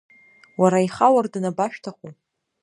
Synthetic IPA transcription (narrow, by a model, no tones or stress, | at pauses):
waɾaiχawardnabaʃᶣtʰaχu